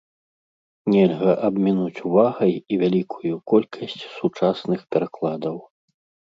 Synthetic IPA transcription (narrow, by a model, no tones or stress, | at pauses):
nʲɛlʲɣɐʔɐbmʲinut͡sʲuvaɣɐjivʲalʲikʰujukɔlʲkʰɐsʲt͡sʲsut͡ʂasnɨxpʲɛɾaklˠad̪ɐw